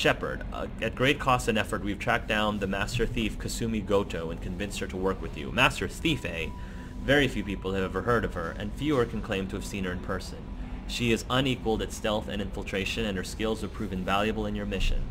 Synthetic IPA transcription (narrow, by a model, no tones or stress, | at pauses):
ʃɛpə̰˞ɾʌ̰ɨt̚ɡ̥ɹeɪt̚kʰɔstɨ̃nɛfə˞t̚wiv̥tʰɹ̥æk̚d̥ãʊ̃nðɨmæstə˞θifkʰɨsʉ̃miɡoʊɾoʊɨ̃nkʰɨ̃ɱvɪ̃nsthə˞ɾəwɜ˞kwɨðjʉ̰mæstə˞θifeɪ | vɛɹifjʉpipl̩ˠɨvɛvə˞hɜ˞ɾʌv̥ə̰˞ʔɨ̰̃nfjʉə˞kʰɨ̃nkʰl̥ẽɪ̃mtʰɨɨv̥sĩnhə˞ɨ̃npʰɜ˞sɨ̰̃nʃiɪzʌ̃nikwəlˠdɨtstɛlˠθɨ̰̃nɨ̃ɱfəl̩ˠtʰɹ̥eɪʃɨ̃nɨ̃nə˞skɪlˠzə˞pʰɹ̥ʉvɨ̃nvælˠjɨbl̩ˠɨ̃njə˞mɪʃɨ̰̃n